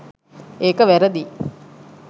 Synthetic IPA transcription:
eːkɐʋæɾɐd̪i

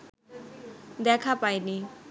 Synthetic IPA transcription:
d̪ekʰapajni

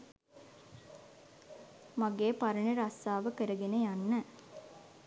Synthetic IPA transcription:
maɡeːpɐɾəɳeɾasaːʋəkəɾəɡenejanːə

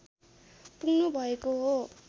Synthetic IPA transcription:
punnubʱʌekoɦo

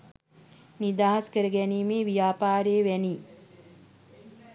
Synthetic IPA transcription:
nid̪aːɦɐskəɾəɡɛniːmeːʋijaːpaːɾeːʋɛni

